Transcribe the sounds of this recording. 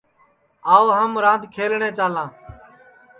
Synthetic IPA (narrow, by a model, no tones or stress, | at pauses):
aːoːɦəmɾãːnd̪ʱkʰeːlɳẽːt͡ʃaːlãː